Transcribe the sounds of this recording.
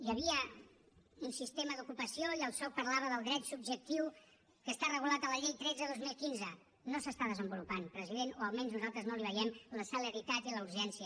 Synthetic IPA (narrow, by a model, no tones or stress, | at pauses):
jəβiə | unsist̪eməðukupəsioiəlˠsɔpəɾlaβ̞əðəlˠd̪ɾɛt̪sub̚ʒək̚t̪iw | kəst̪arəɣulat̪ələʎejt̪ɾɛd͡zəðozmilˠkinzə | nosəst̪aðəzəmbulupanpɾəziðenoəlˠmɛnznuzalˠt̪ɾəznoliβ̞əjɛmləsələɾit̪at̪iləuɾʒɛnsiə